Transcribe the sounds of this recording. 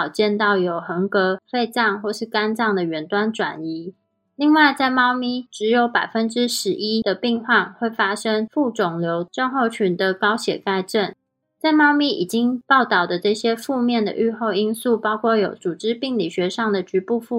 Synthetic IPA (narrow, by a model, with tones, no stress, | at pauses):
ʊt͡ɕjɛ˥˧nt̪ɑ˥˩ʊjo˨˩ʊxə˧˥ŋkɤ˧˥fe˥˧ɪt͡sɑ˥˧ŋxwɔ˥˧ʂɻ̩˥˩ka˥nt͡sɑ˥˩ŋd̪ə˩ɥɛ˧˥nt̪wa˥nʈ͡ʂwa̰˨˩ni˧˥ | li˥˧ŋwa˥˧ɪt͡sa˥˧ɪmɑ˥˧ʊmi˥˩ʈ͡ʂɻ̩˧˥jo˧˥ʊpa˨˩ɪfə˥nʈ͡ʂɻ̩˥ʂɻ̩˧˥ʔi˥d̥̪ə˨pi˥˧ŋxwa˥˧nxwe˥˩ɪfa˥ʂə˥ŋfu˥˩ʈ͡ʂʊ˨˩ŋljo˧˥ʊʈ͡ʂə˥˧ŋxo˥˩ʊt͡ɕʰy˧˥nd̪ə˧kɑ˥ʊɕjɛ̰˨˩ka˥˧ɪʈ͡ʂə˥˩n | t͡sa˥˧ɪmɑ˥˧ʊmi˥˩ḭ˨˩t͡ɕi˥ŋpɑ˥˩ʊt̪ɑ˥˩ʊd̪ə˩ʈ͡ʂɤ˥˩ɕjɛ˥fu˥˧mjɛ˥˩nd̪ə̰˨ʔy˥˧xo˥˧ʊi˥nsu˥˩pɑ˥ʊkʰwɔ˥˩jo˨˩ʊt͡su˨˩ʈ͡ʂɻ̩˥pi˥˩ŋli˨˩ɕɥɛ˧˥ʂɑ˥˩ŋd̪ə˩t͡ɕy˧˥pu˥˧fu˥˩